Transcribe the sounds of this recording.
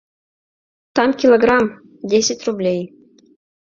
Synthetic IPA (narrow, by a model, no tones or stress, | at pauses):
t̪ɑmkʲilˠoɡrɑm | dʲesʲɘtʲrublʲej